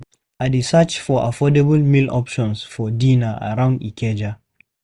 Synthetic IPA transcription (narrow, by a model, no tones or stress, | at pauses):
adesat͡ʃfɔʔafɔdebəlmilɔpʃɔ̃nsfɔdĩnaa̰ɹãʊ̃ndikʰɛd͡ʒa